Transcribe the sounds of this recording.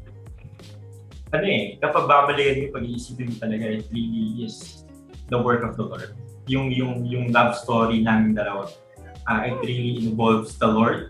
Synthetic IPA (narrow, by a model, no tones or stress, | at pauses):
ʔɐnoʔɛkɐpɐɡ̚baːbɐlɪkɐnɲopɐɡ̚iʔisipɪnʊt̪ɐlɐɡaʔɛt̪̚ɾiliɪs | d̪ɐwɛɹkɔvd̪ɐloɹd̪̚jʊŋjʊŋjʊŋlabst̪oːɾinaːmɪnd̪ɐlɐwat̪̚ | ʔaʔɛt̪ɾiliʔɪ̃nvolvsd̪ɐloɹd̪̚